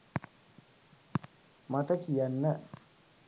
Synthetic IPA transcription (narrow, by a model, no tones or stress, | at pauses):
mat̪əkijanːə